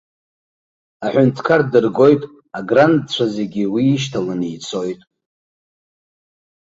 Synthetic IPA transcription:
aħʷᶣʊntʰkʰardɨrɡo̞jtʼ | aɡrandt͡ɕʷʰaze̞ɡʲiwiːʃ̬tʰalanijt͡sʰo̞jtʼ

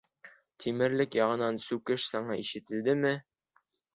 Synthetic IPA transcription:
t̪ʰimɘ̆ɾlɘkjɑʁɤ̆nɑnsʉkɘʃsɑɴɑiʃɘ̆t̪ɘ̆ld̪ɘmɘ

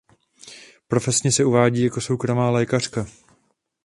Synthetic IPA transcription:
pɾo̞fɛsɲɛsɛuvaːɟiːjako̞so̞wkɾo̞maːlɛːkar̝̥ka

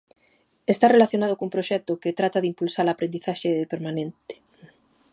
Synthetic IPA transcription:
est̪arelaθjonað̞okumpɾoʃɛt̪oket̪ɾat̪aðimpulsaɾlapɾend̪iθaʃepeɾmãnẽnt̪e̥

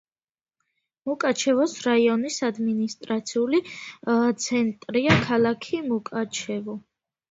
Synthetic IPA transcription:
mukʼat͡ʃʰɛvɔsɾaiɔnisad̪minist̪ʼɾat̪sʰiulit̪sʰɛnt̪ʼɾiakʰalˠakʰimukʼat͡ʃʰɛvɔ

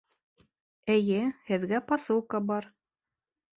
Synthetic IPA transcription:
ɘ̆jɘhɘ̆ðɡæpɑsɤlˠkɑbɑɾ

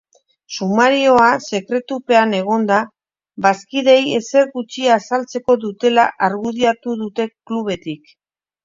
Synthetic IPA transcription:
sumaɾio̞ase̞kɾe̞t̪upe̞ane̞ɣ̞o̞nd̪a | βaskiðe̞je̞se̞ɾɣut͡ʃiasalt͡se̞ko̞ðut̪e̞la̰ʔaɾɣuð̞iat̪uðut̪e̞kluβ̞e̞t̪ik

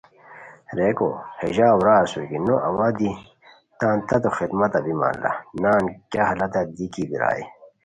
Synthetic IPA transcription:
ɾeːko̰hḛʑaːwɾaːsukinoʔɐwaːd̪i | t̪ãːnt̪ɐt̪oxid̪mɐt̪ɐbima̰ːnla̰naːnkjaːhɐlɐt̪ɐd̪ikibiɾa̰ːi

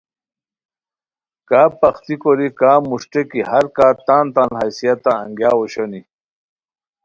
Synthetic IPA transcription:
kaːpɐxt̪ikoɾikaːmuʂʈekihɐɾkaːt̪aːnt̪ãnɦajsijat̪ãːŋɡjaːwoɕoni

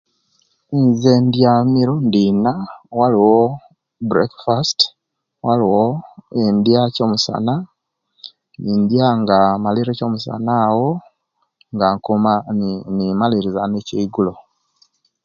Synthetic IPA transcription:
inzeːndjamiɾundinawaliwo | bɾekfast | waliwoendijaco̞ːmusa̰na | nindjaŋɡamaliɾeco̞musa̰nawo | ŋɡaŋkuanimaliɾizaneceiɡulo

